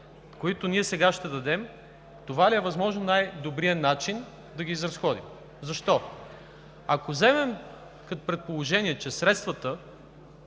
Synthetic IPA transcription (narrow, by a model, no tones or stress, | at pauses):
koit̪oniɛsɛɡaʃt̪ɛd̪ɐd̪ɛm | t̪ovaliɛvɐzmɔʒnonajd̪obɾiənat͡ʃin | d̪ɐɡiːzɾɐsxɔd̪ḭm | zɐʃt̪ɔ | ɐkozɛmɛm | kɐt̪pɾɛt̪̚polˠoʒɛniɛt͡ʃɛsɾɛt̪st̪vɐt̪ə